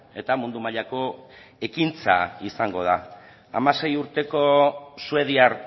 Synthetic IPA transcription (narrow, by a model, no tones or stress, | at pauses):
e̞t̪amund̪umaʎako̞ | e̞kint͡sa̰isaŋɡo̞ð̞a̰ː | mase̞juɾt̪e̞ko̞sue̞ð̞iaɾ